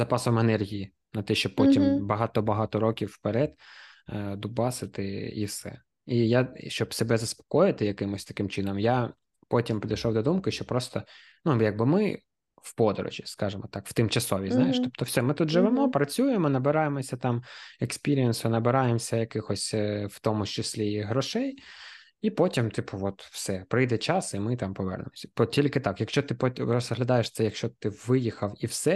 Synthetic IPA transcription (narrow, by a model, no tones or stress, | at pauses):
zɐpɑsɔmenɛrɦʲiji | nɐt̪ɛʃt͡ʃɔpɔtʲimbɐɦɑt̪ɔbɐɦɑt̪ɔɾɔkʲiwːpeɾɛd̪ | d̪ubɑsɪt̪ɪḭwsɛ̰ | ijaʃt͡ʃɔbsebɛzɐspɔ̥kɔjɪt̪ɪjɐkɪmɔsʲt̪ɐkɪmt͡ʃɪnɔmja | pɔtʲimpʲid̪ɐjʃɔwd̪ɔd̪umkɪʃt͡ʃɔpɾɔst̪ɔ | nujaɡ̚bɪmɪ | wpɔd̪ɔ̰ɾɔ̰ʒʲiskɑʒɪmɔt̪ɑkw̥t̪ɪmt͡ʃɐsɔʋʲiznɑjeʃt̪ɔpt̪ɔwsʲɛmɪt̪ud̪ʒɪʋɪmɔpɾɐt͡sʲujemɔnɐbɪɾɑjemɔsʲɐt̪ɑmekspʲiɾʲiinsʊnɐbɪɾɑjemsʲɐjɐkɪxɔsʲwt̪ɔmʊt͡ʃɪsʲlʲiɦɾɔʃɛj | ipɔtʲimt̪ɪpʊʋɔt̪wsɛpɾɪjd̪ɛt͡ʃɑsimɪt̪ɑmpɔʋɛ̰rnḛmɔsʲɐ̥pɔtʲilʲkɪt̪ɑkjɐkʃt͡ʃɔt̪ɪpɔɾɔzɦlʲɐd̪ɑjeʂt̪sɛjɐkʃt͡ʃɔt̪ɪʋɪjixɐwiwsɛ